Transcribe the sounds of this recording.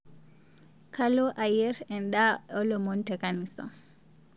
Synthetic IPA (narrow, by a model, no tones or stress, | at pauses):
kalɔʔajɛɾɛnɗaɔlɔmɔntɛkanisa̰n